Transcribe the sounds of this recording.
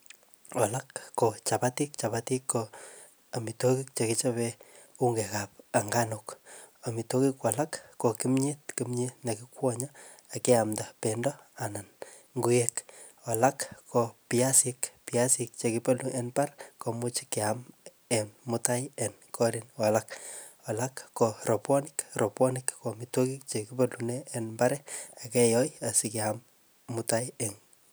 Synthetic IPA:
ɔlakːot͡ʃapatik̚t͡ʃapatikːo | amitokik̚t͡ʃekit͡ʃape | uŋɡekap̚aŋɡanukamitokikwalakːokimɲit̚kimɲinakikwʷɔɲa | akeamdapendɔanan | ŋɡujek | ɔlakkopiasikpiasik̚t͡ʃekipoluʔenparkomut͡ʃi̥kɛam | enmʊtajenkʰɔɾinɔlak | ɔlakːoropɔnikropɔnikkomitokik̚t͡ʃekipoluneːnbaɾɛakɛjɔjasikeamː | utajeŋ

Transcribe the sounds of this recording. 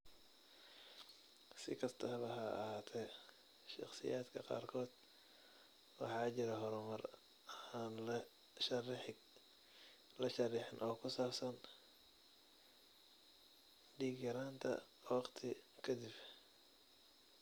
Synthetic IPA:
sɪkʰɐst̪ʰɐhβɐɦɐɐhaːt̪ʰɛ | ʃɑ̰χsɪ̰jaːd̪kʰɐqɑ̰ːrkʰɔːd̪̥ | wɑ̰ħɑːt͡ʃɪɾɐɦɔɾɔmɐrː | nlɐ | ʃɐrħ | lɐʃɐrɪħɪnʔɔːkʰʊsaːbsɐn | ɖiːɡjɐɾaːnt̪ʰɐ̰ | wɑqt̪ʰɪkʰɐd̪ɪb

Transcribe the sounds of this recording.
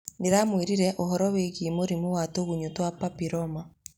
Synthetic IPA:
neɾamwiɾiɾɛʔoɦɔɾɔweɣimoɾimowatoɣuɲotwapapiɾɔma

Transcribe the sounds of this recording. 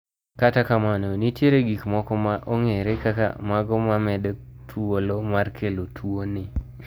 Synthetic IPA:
katakamanonitjeɾeɡikmɔkɔmaʔoŋeɾekaka̰maɡɔmamɛdet̪ʰuolomarkʰelotʰuonɪ

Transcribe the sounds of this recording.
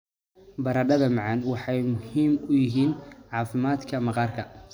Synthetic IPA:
bɐɾɐɖɐðɐmɑʕɑnwɑħɑjmʊhiːmʊjɪɦiːnʕɑːfɪmaːd̪kʰɐmɑqɑːrkʰɐ

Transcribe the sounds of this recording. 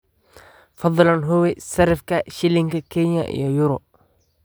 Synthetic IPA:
fɑðˤlɐnɦʊwɛsɐɾɪfkʰɐʃɪlɪŋkɐkʰɛɲɐ̰ʔḭjɔjʊɾɔ

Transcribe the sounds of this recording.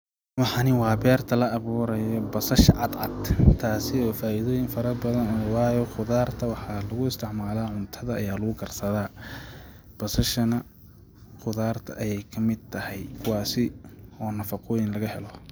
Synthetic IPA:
wɑħɑnɪwɑːbɛːrt̪ʰɐlɐːβuːɾɐjɔbɐsɐʃɐʕɑd̪ʕɑ̰d̪t̪ʰaːsɪɔːfaːʔiðɔːjɪŋfɐɾɐbɐðɐnɔːwɑːjɔχʊðaːrt̪ʰɐwɑħɑlɐɣʊɪst̪ʰɪʕmaːlaːʕʊnt̪ʰɐðɐɐjaːlʊɣʊɡʰɐrsɐðaː | b̥ɐsɐʃɐnɐ | χʊðaːrt̪ʰɐʔɐjɛjkʰɐmɪd̪̚t̪ʰɐhɛjkʰʊwɑːsɪɔːnɐfɐqʰɔːjɪnlɐɣɐhɛlɔ

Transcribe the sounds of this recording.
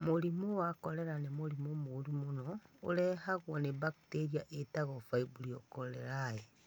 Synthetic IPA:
moɾimowakɔɾɛɾanemoɾimomoɾimonɔoɾɛhaɣwɔnebakteɾiaʔetaɣɔfaibuɾiokoɾeɾae

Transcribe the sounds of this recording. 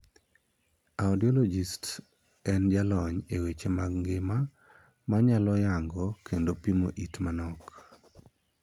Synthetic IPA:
aɔdiɔlɔd͡ʒist | ɛnd͡ʒalɔɲewet͡ʃemaɡŋɡɪma | maɲalɔjaŋɡɔkʰendopimo̰ʔitmanɔk

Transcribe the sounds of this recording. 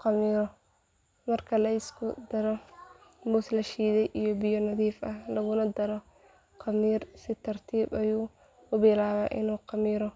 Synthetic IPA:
qɑmiːɾɔ | mɐrkʰɐlɐɪskʰʊd̪ɐɾɔ | muːslɐʃiːðɛjʔijɔbɪjɔnɐðiːfɐlɐɣʊnɐd̪ɐɾɔ | qɑmiːrsɪt̪ʰɐrt̪ʰiːbɐjuː | ʊbɪlaːβa̰ːʔɪ̰nuːqɑmiːɾɔ

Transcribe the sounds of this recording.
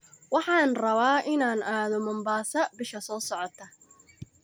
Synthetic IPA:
wɑħɑːnrɐβaːʔɪnaːnaːðɔmɐmbaːsɐbɪʃɐsɔːsɔʕɔt̪ʰɐ

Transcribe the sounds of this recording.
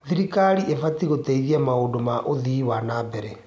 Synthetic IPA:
ðiɾikaɾiʔevatiɣoteiðiamaodomaʔoðiwanabɛɾɛ

